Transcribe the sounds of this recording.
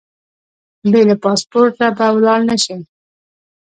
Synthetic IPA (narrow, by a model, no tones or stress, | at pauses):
bejlapɑspoɾʈnabawlɑɽnaʃi